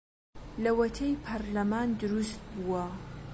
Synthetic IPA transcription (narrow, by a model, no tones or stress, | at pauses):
lɐwɐt̪ʰejpʰɐɾlɐmaːnd̪ɨɾust̪̚buwɐ